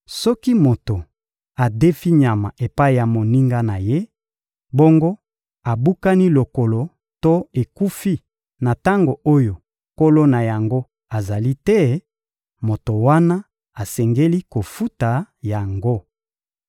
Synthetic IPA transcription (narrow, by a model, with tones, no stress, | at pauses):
sɔ˦ki˦mo˨to˨ | a˨de˦fi˦ɲa˨ma˨ʔe˨pa˦i˨ja˨mo˨ni˦ŋɡa˦na˨je˦ | bo˦ŋɡo˦ | a˨bu˦ka˦ni˦lo˨ko˨lo˨ | to˦e˨ku˦fi˦ | na˨ta˦ŋɡo˨o˦jo˨ | ko˦lo˦na˨ja˨ŋɡo˦ | a˨za˨li˦tɛ˦ | mo˨to˨wa˦na˦ | a˨sɛ˨ŋɡe˦li˦ko˨fu˦ta˨ja˨ŋɡo˦